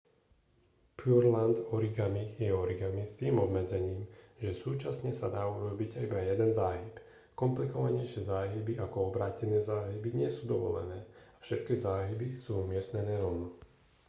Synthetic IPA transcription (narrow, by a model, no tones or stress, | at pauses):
puɾland̪ɔɾiɡamijɛɔɾiɡamist̪iːmɔbmɛd͡zɛɲiːmʒɛsuːt͡ʃasɲɛsad̪aːuɾɔbiɟaibajɛd̪ɛnzaːɦip | kɔmplikɔʋaɲɛɪʃɪɛzaːɦibiʔakɔɔbɾaːcɛnɛːzaːɦibiɲɪɛsuːd̪ɔʋɔ̰lɛ̰nɛːafʃɛt̪̚kizaːɦibisuːumɪɛst̪nɛnɛːɾɔnɔ